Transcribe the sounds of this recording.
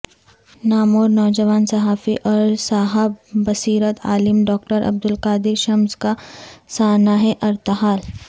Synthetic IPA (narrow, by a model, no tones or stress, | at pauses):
naːmoːɾnɔːd͡ʒɐʋaːnsɐɦaːfiʔɔːɾsaːɦəbːɐsiːɾət̪ʰa̰ːlɪmɖɔːk̚ʈəɾʔɐ̰b̚d̪ʊlkaːd̪ɪɾʃɐmzkasaːnaɦɛʔɐɾt̪ɦaːl